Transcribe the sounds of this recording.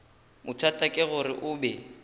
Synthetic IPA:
mʊt͡ʃʰwatʼakʼɪɣʊɾɪʔʊːbɛ

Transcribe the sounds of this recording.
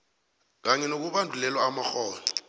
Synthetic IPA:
k̬aɲɛnok̬uɓandʱulɛlwaːmaxɔːlɔ

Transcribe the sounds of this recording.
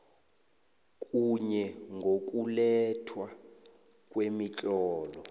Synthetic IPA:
k̬ʼuɲɛŋɡʱok̬ʼulɛtʰwa | k̬ʼwemit͡ɬʼɔːlɔ

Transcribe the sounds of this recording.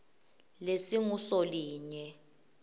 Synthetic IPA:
lesiŋusoliːɲɛ

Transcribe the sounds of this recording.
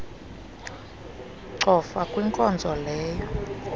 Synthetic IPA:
ǀɔfakʼwiŋkʼɔnd͡zʱɔlɛːjɔ

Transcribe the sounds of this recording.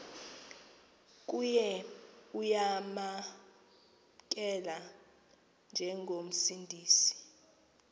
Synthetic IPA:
k̬ʼujɛujama | k̬ʼɛla | nd͡ʒʱɛŋɡʱom̩sindʱiːsi̥

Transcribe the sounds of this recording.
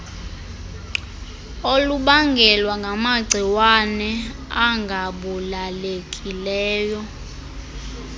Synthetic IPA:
oluɓaŋɡʱɛlwaŋɡʱamaɡ͡ǀʱiwanɛ | aŋɡʱaɓulalekʼilɛːjɔ

